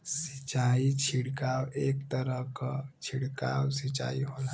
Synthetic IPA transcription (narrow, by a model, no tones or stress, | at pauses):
sit͡ʃait͡ɕʰiɽkawekt̪əɾəkt͡ʃʰiɽka̰wsit͡ʃa̰iɦola